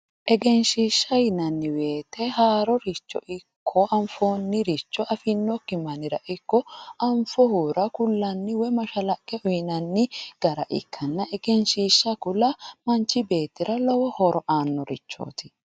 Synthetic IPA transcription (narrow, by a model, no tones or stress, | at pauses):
ʔɛɡɛnʃiːʃːɐjɪnɐnːɪwe̞ːt̪ɛhaːɾɔɾɪt͡ʃːɔ̰ʔɪkʰːɔɐɱfoːnːɪɾɪt͡ʃːɔʔɐfɪnːɔkːɪmɐnɪɾɐʔɪkːɔɐɱfɔhuːɾɐkʊlːɐnːɪwɛmɐʃɐlɐkʼːɛɔjɪnɐnːɪɡ̥ɐɾɐʔɪ̰kʰːɐnːɐʔɛɡɛnʃiːʃːɐkʊlɐmɐnt͡ʃːɪbe̞ːt̪ːɪɾɐlɔwɔhɔɾɔʔaːnːɔɾɪ̰t͡ʃːo̰ːt̪ɪ̥